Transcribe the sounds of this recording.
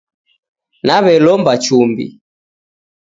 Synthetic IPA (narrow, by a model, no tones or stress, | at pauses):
naβɛlɔmbat͡ʃumbḭ